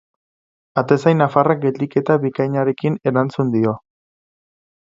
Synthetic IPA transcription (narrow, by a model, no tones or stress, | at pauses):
at̪e̞sajnafarak̚ɡe̞ld̪ike̞t̪aβikajɲaɾe̞kine̞ɾant͡sund̪io̞